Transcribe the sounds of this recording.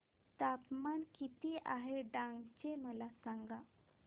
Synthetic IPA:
t̪apmankit̪iʔaɦeɖãŋɡt͡ɕeməlasãŋɡa

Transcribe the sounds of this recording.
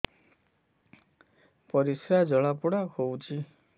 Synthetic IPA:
pɔɾisɾad͡ʒɔɭapuɽahowt͡ʃʰi

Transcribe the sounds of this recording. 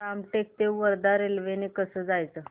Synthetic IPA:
amʈek̚t̪eʋəɾd̪aɾelʋenekəsəːd͡zajt͡sə

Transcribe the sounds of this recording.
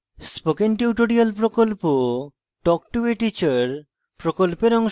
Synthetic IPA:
spokenʈiuʈoɽialpɾokolpo | ʈɔkʈueʈit͡ɕaɾ | pɾokolpeɾɔŋʃ

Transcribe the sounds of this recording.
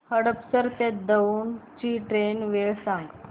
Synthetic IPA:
həɽəpsəɾt̪ed̪əunt͡ɕiʈɾenʋeɭsãŋɡ

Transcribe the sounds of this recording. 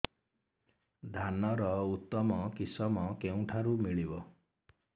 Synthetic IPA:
d̪ʱanɔɾɔut̪ːɔmɔkisɔmɔkeũʈʰaɾumiɭibɔ

